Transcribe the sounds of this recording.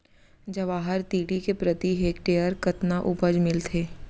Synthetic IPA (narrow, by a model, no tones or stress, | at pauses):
d͡ʒɐʋaːɦəɾt̪iːɽikepɾət̪iɦeːk̚ʈeːəɾkɐt̪naʔʊbəd͡ʒmɪlt̪ʰeː